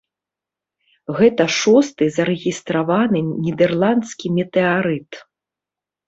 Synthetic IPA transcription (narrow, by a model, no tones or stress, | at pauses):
ɣɛt̪ɐʂɔst̪ɨzɐɾɛɣʲist̪ɾavanɨnʲid̪ɛrlˠant̪skʲimʲɛt̪ɛaɾɨt̪